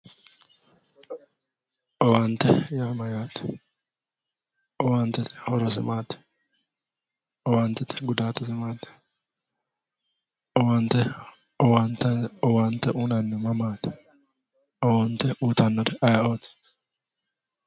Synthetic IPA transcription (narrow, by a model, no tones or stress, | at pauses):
ʔɔwɐnt̪ːɛjaːmɐjaːt̪ɛ̥ | ʔɔwant̪ːɛt̪ɪ̥hɔɾɔsɪmaːt̪ɛ̥ | ʔɔwɐnt̪ːɛt̪ɪ̥ɡʊd̪aːt̪ːɛsɪmaːt̪ːɛ̥ | ɔwɐnt̪ːɛ | ɔwɐnt̪ːɛɔwɐnt̪ːɛʔuːnɐnːɛmɐmaːt̪ɛ̥ | ɔwɐnt̪ːɛuːt̪ɐnːɔd̪ɛʔɐjaoːt̪